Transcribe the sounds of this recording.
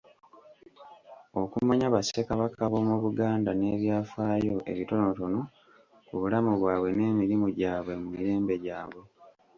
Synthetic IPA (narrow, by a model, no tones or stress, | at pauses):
o̞kumaɲaβasekaβakaβo̞muβuɡaːndane̞ːβjaːfaːjo̞ʔe̞βito̞no̞to̞no̞ | kuβulamuβwaːβwe̞ne̞ːmiɾimuɟaːβwe̞mumiɾe̞ːmbe̞ɟaːβwe̞